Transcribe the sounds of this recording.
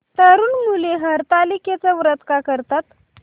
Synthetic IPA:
t̪aɾuːnmuleɦəɾt̪aliket͡saʋɾət̪kakəɾt̪at̪

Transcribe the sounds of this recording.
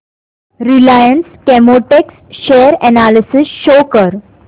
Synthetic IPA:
ɾilajənskɛmoʈeksɕejəɾɛnalisisɕokəɾ

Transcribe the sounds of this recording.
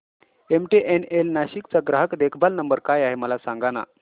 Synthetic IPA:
emʈeʔenelnaɕiːkt͡saɡɾaɦəkd̪ekʰbalnəmbəɾkajaɦeməlasãŋɡana̰

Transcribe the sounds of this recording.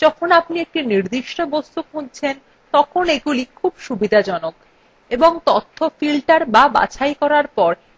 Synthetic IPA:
d͡ʑɔkʰonapniek̚ʈiniɾd̪iʃʈobost̪ukunt͡ɕʰen | t̪ɔkʰoneɡulikʰubʃubid̪ʱad͡ʑɔnok̚ | eboŋt̪ot̪ʰːofilʈaɾbaba̰t͡ɕʰajkɔɾaɾpɔɾ

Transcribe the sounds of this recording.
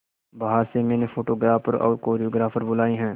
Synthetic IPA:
baɦaɾsemɛ̃ːnefʰoːʈoːɡɾaːfəɾɔ̰ːɾkoːɾioːɡɾaːfʰəɾbʊlaːiɦɛ̃ː

